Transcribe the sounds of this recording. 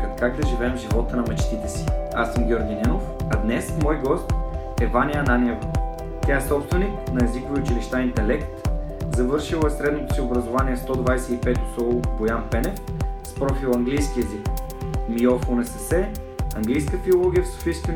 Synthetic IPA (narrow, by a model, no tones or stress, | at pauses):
kət̪kakd̪ɐʒivɛɛmʒivɔt̪ənɐmɛt͡ʃt̪it̪ɛsiasəmɡʲjɔɾɡʲinɛnofɐd̪nɛsmɔjɡɔst̪ | ɛvaniəɐnanʲiɛv | t̪ʲaɛsɔpst̪vɛniknɐɛzikoviʊt͡ʃiliʃt̪aint̪ɛlɛkt̪ | zɐvɤɾʃilˠəɛsɾɛd̪not̪o̥siʊbɾɐzʊvaniɛst̪ɔd̪vajsɛipɛt̪o̥sɔlˠʊbojanpɛnɛfspɾɔfilˠɐŋɡlijsk̟iɛzikmiɔfonɛsɛsɛ | ɐŋɡlijskəfiolˠɔɡʲijəfsʊ̥fisk̪